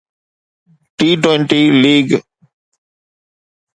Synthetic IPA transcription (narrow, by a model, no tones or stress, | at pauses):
ʈiːʈweɪɳʈiliːɡ